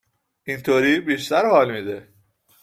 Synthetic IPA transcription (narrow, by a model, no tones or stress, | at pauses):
ʔint̪ʰoːɾiːbiːʃt̪æɾhɒːlmiːd̪e